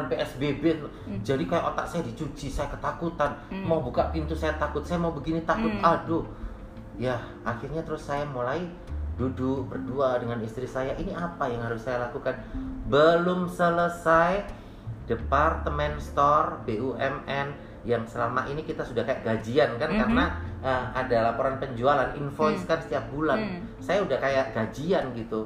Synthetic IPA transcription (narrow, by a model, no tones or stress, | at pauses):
anpeɛsbebet̪ | d͡ʒadikajaʔot̪a̰ʔsajadit͡ʃut͡ʃisajakət̪akut̪anmaubukaʔpint̪usajat̪akʊt̪̚sajamaubəɡinit̪akʊt̪̚adʊ | ja | ʔaxirɲat̪əɾʊsːajamulai | duduʔbərduadəŋanist̪ɾisajaʔiniapajaŋhaɾʊsːajalakukanbəlʊmsələsaj | dəpart̪əmɛnst̪ɔrbeʔuʔɛmɛn | jaŋsəlamaʔinikit̪asudahkajaʔɡad͡ʒiankankaɾənaəmadalapoɾanpəɲd͡ʒualanḭnfoiskansə̥t̪iap̚bulan | sajaudahkajaʔɡ̥ad͡ʒianɡit̪u